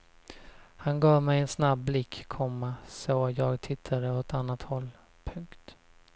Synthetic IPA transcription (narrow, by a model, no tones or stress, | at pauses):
hanɡɑːvmɛjɛnsnabːlɪkːkʰːɔmːasɔːjɑːɡt̪ʰɪt̪ʰːad̪əɔt̪ʰanːat̪hɔlː | pʰɵŋkt̪